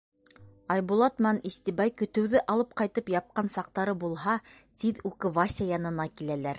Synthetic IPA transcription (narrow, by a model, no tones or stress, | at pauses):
ɑjbulˠɑt̪mɑnist̪ibɑjkɵ̆t̪ɵ̆wðɘʔɑlˠɤp̚qɑjt̪ɤpjɑp̚qɑnsɑq̚t̪ɑɾɤbulˠɦɑ | t̪iðʉkɘvasʲɑjɑnɤ̆nɑkilælæɾ